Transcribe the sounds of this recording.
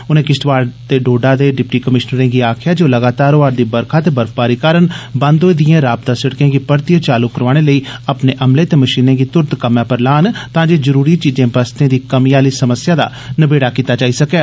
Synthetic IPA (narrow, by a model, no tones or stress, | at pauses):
ʊnẽːkɪsʈʋaːɽt̪eːɖoːɖaːd̪eːɖɪpʈiːkəmɪʃnəɾẽːɡiːaːkʰjaːd͡ʒoːləɡaːt̪aːɾoːaːɾd̪iːbəɾkʰaːt̪eːbəɾfpaːɾiːkaːɾənbə̃nd̪oːed̪ijãːɾaːb̚t̪ãːsəɽkẽːɡiːpəɾt̪ɪjə̃ːt͡ʃaːluːkəɾʋaːɽ̃eːləiːəpneːʔəmleːt̪eːməʃiːnẽːɡiːt̪ʊɾt̪kəmjãːpəɾlaːnt̪ãːd͡ʒeːzəɾuːɾiːt͡ʃiːzẽːbəst̪ẽːd̪iːkəmiːaːliːsəməsɪjaːd̪a̰ː | nəbeːɽaːkiːt̪aːt͡ʃaːiːsəkɛː